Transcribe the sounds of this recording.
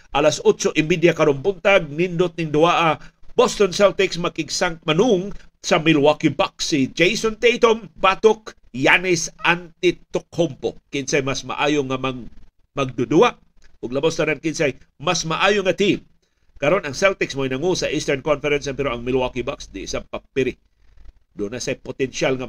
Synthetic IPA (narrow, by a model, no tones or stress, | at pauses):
ʔalasot͡ʃoʔɪmbid̪jakɐɾonbʊnt̪aɡ̚nɪnd̪ʊt̪̚nɪŋd̪ʊaʔabost̪onsalt̪ɪksmakɪɡsaŋmanuŋsɐmɪlwakibaksːid͡ʒejsont̪ejt̪ombat̪ʊk | janɪsʔant̪ɪt̪ʊk̚hompokɪnsajmasma̰ʔajoŋama | mɐɡ̚d̪ʊd̪uaʔ | ʔʊɡlɐbast̪ɐnankɪnsajmasmaʔaːjoŋat̪im | kɐɾonɐŋsawt̪ɪksmoinɐŋusɐʔist̪ɛɹnkonfɛɾɛnsɛmpɛɾoɐŋmɪlwakibaksd̪ɪʔsapapɪɾɪ | d̪ʊnasajpot̪ɛnʃalŋa